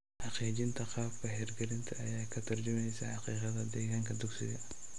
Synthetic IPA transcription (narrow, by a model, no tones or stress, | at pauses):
ħɑqiːd͡ʒɪnt̪ʰɐqɑːbkʰɐɦɛːrɡɛɾɪnt̪ʰɐɐjaːkʰɐt̪ʰɐrd͡ʒʊmɛjsɐħɑqiːqɑðɐd̪ɛːɣaŋkʰɐd̪ʊɡsɪ̰ɣɐ